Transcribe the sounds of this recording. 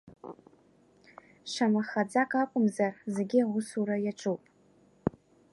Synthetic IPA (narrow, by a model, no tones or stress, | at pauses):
ʂamaχad͡zakʼakʷʼʊmzarzeɡʲɪʁʷʊsuɾajaʈ͡ʂʼupʼ